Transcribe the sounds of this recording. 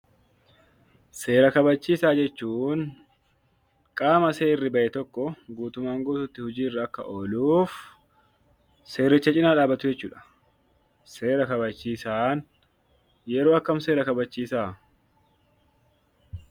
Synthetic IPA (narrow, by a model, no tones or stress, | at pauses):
se̞ːɾɐkɐbɐt͡ʃːiːsaːd͡ʒɛt͡ʃːuːn | kʼaːmɐse̞ːrːɪbɐʔɛt̪ɔkːɔɡuːt̪ʊmaːŋɡoːt̪ʊt̪ːɪhʊd͡ʒiːrːɐɐkːɐ̰ʔoːluːf | se̞ːɾːɪt͡ʃːɐt͡ʃʼɪnaːᶑaːbɐt̪ʊd͡ʒɛt͡ʃːuːᶑɐ̥ | se̞ːɾɐkɐbɐt͡ʃːiːsaːn | jɛɾo̞ːɐkːɐmse̞ːɾɐkɐbɐt͡ʃːiːsaː